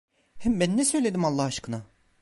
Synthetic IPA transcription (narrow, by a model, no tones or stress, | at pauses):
hɛmbænːɛsø̞jlʲed̪imalˠːahaʃkʰɯna